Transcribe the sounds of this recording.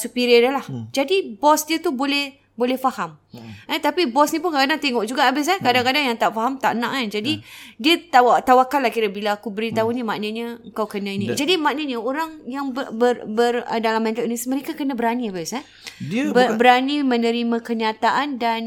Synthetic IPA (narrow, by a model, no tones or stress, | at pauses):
supiɾiədəlahd͡ʒadibɔsdiət̪ubolɛh | bolɛhfahamət̪apibɔsnĩpʊnkakadaŋt̪eŋɔʔ̚d͡ʒuɡaʔabɪs̬ahkadaŋkadaŋjaŋt̪aʔfaɦamt̪aʔənã̰ʔand͡ʒadidiət̪awat̪awakalahkiɾəbilaakubəɾit̪aɦunimaʔnəɲəəŋkawkənãinĩd͡ʒadimaʔnəɲəoɾaŋjaŋbəbərbərə̰dalamːɛ̃nt̪əlnisməɾekakənãbəɾaniabɪsa | bəbəɾanimənəɾimãkəɲat̪aʔandan